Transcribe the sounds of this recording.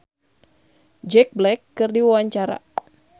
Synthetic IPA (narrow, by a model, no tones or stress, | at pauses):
d͡ʒɛk̚blɛkːɨrdiwawaɲt͡ʃaɾa̰